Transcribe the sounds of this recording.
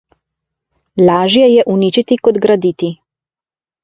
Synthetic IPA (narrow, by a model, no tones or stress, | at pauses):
laːʒjɛjɛʔuniːt͡ʃit̪ikɔd̪ɡɾad̪iːt̪i